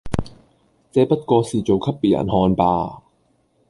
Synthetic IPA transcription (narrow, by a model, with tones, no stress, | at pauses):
t͡sɛː˨˧˥pɐ˥t̚kɔː˧siː˨t͡so˨wkʰɐ˥p̚pːiː˨jʔɐ̰˨˩nhɔː˧npaː˧